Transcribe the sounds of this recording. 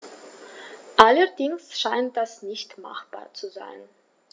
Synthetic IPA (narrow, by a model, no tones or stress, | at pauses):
ʔalədɪŋsʃaɪnt̚d̥asnɪçtma̰χb̥a̰ːɐt͡suza̰ɪn